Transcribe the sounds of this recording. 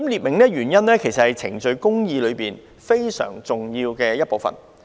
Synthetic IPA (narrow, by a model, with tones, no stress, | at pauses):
mliː˨t̚mɪ˨˩ŋlɛː˥ɥyː˨˩njɐ˥nlɛː˥kʰe˨˩jsɐ˨t̚hɐ˨jt͡sʰɪ̰˨˩ŋt͡sɵ˨˧ɥkʊ˥ŋjiː˧lɵ˨˧ɥpiː˨n | fe˥jsœ̰ː˨˩ŋt͡sʊ˨ŋjiː˧wkɛː˧jɐ˥t̚po˨wfɐ̰˨˩n